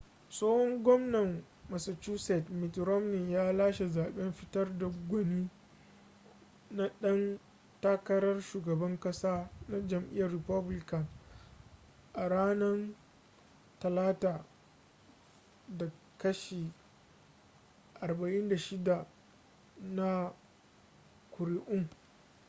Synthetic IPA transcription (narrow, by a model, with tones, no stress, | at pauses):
soː˦hɔ˦ŋɡʷɔ˦mnɐ˨mː | ɐ˨sɐ˨t͡ʃuː˦sɛ˨tmɪ˨tɾɔ˦mni˨jaː˦laː˦ʃe˨zaː˨ɓɛ˦mɸɪ˦tɐ˦rda˨ɡʷɔ˨niː˦ | na˦ɗɐ˦n | taː˦kɐ˦ɾɐ˦rʃuː˨ɡɐ˨bɐ˦ŋkʼɐ˦saː˦na˦d͡ʒɐ˨mʔɪ̰˦jɐ˨rːɪ˨pɐ˦blɪ˦kɐ˨n | ʔa˨ɽaː˦nɐ˦n | tɐ˨laː˦taː˨ | da˨ | kɐ˦ʃiː˨ | ʔa˨rba˨ʔɪ˦nda˨ʃɪ˦da˨ | na˦ | kʷʊ˨ɾi˦ʔʊ˦ŋ